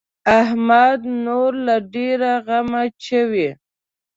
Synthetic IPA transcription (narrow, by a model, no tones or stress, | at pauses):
aɦmad̪noɾlaɖeɾaɣamaʃəwi